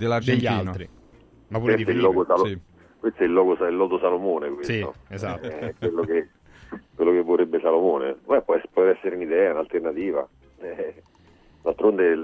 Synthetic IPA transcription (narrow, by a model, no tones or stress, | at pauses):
d̪elad͡ʒeʎːiilnt̪ɾi | mapːuɾeift̪ɛilːɔːɡosalsi | kwest̪oɛlːɔːɡosilːɔːd̪osalomoːnekwesio̰ezsat̪ːkwelːoke | kwelːokevːorebːesalomoːnebɛpːɔɛspoɔt̪eɾɛsːeɾeunid̪ɛːaunalt̪ernat̪iːva̰ | ɛ | d̪alt̪ɾond̪e